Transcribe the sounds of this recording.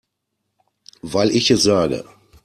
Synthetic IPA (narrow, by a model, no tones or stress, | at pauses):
vaɪlɪçɛsz̥aːɡə̰